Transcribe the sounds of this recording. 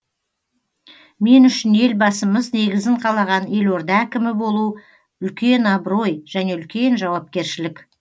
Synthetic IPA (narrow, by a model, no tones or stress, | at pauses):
me̞nʏʃɪne̞lbɑsəməzne̞ɡʲɪzɪɴqʰɑlˠɑʁɑne̞lwo̞ɾd̪ɑækʲɪmɪbo̞lˠu | ʏlkʲe̞nɑbɾo̞jʒ̥æne̞ʏlkʲe̞nʒɑwɑp̚kʲe̞ɾʃɪlɪk